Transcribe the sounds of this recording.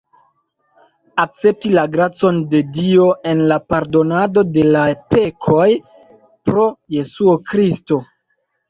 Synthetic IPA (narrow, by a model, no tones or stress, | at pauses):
ak̚t͡se̞p̚tilaɡɾat͡so̞nde̞dio̞ʔe̞nlapaɾdo̞nado̞de̞lape̞kʰo̞j | pɾo̞je̞suokɾisto̞